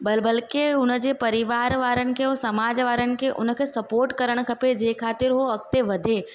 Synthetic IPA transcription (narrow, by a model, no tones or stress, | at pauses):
bɐlbəlkeʊnəd͡ʒepɐɾɪʋaːɾʋaːɾənɪ̆kʰeɦosɐmaːd͡ʒʋaːɾənɪ̆kʰeʔʊ̰nkʰesɐpoːɾʈkɐɾəɽ̃kʰɐped͡ʒeːkʰaːt̪ɪɾɦoɐk̚t̪eʋɐd̪ʱe